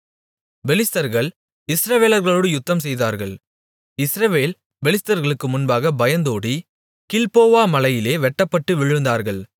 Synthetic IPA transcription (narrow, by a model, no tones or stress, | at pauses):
bɛlɪst̪ɐɾɣɐɭ | ɪsɾɐʋeːlɐɾɣɐɭoːɽɯjʊt̪ːɐmsɛjðaːɾɣɐɭ | ɪsɾɐʋeːl | bɛlɪst̪ɐɾɣɐɭɯkːɯmʊnbaːɣɐbɐjɐnd̪oːɽi | kɪlpoːʋaːmɐlɐjɪleːʋɛʈːɐpːɐʈːɯʋɪɻɯnd̪aːɾɣɐɭ